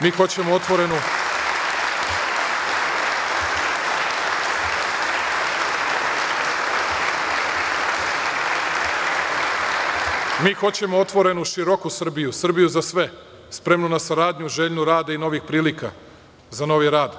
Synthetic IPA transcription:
miːxo̞t͡ɕe̞moot̪ʋoɾenu | miːxo̞t͡ɕe̞moot̪ʋo̞ɾe̞nuʃiɾokusr̩bijusr̩bijuzasʋe̞ | spɾe̞mnunasaɾaːd̪ɲuʒeːʎɲuɾaːd̪aino̞ʋixpɾiːlika̰ | zano̞ʋiɾaːd̪

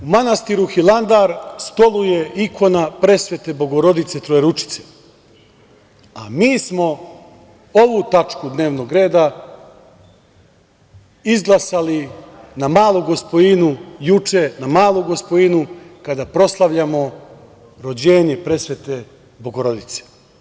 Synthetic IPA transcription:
umanast̪iɾuxilˠand̪aːɾst̪o̞luje̞ʔikʰo̞napɾe̞sʋe̞t̪e̞bo̞ɡo̞ɾo̞d̪it̪set̪ɾojeɾut͡ʃi̥t̪se̥ | a̰miːsmo̞ | o̞ʋut̪at͡ʂkud̪ne̞ːʋno̞ɡɾe̞ːd̪a | izɡlˠasalinamaːlˠuɡo̞spo̞inujut͡ʃenamaːlˠuɡo̞spoinukad̪apɾo̞slˠaʋʎamo̞ | ɾo̞d͡ʑe̞ːɲe̞pɾe̞sʋet̪e̞ | bo̞ɡoɾo̞d̪it̪se̥

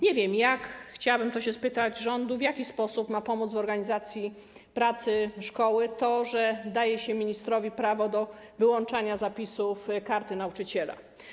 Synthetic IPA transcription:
ɲɛvʲjɛmjakxt͡ɕawabɘmt̪ɔɕɛspɘt̪ad͡ʑʐɔnd̪uvʲjakʲispɔsupmapɔmud̪zvɔɾɡaɲizat̪sʲji | pɾat̪sɘʂkɔwɘt̪ɔʐɛd̪ajɛɕɛmʲiɲist̪ɾɔvʲipɾavɔd̪ɔ | vɘwɔnt͡ʂaɲazapʲisufkaɾt̪ɘnaut͡ʂɘt͡ɕɛla̰

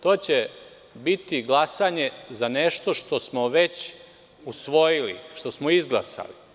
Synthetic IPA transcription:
t̪o̞ːt͡ɕe | bit̪iɡlˠasaːɲe̞zaneʃt̪o̞ʃt̪o̞smoʋe̞t͡ɕ | usʋo̞jilḭʃt̪o̞smoizɡlˠa̰sa̰li

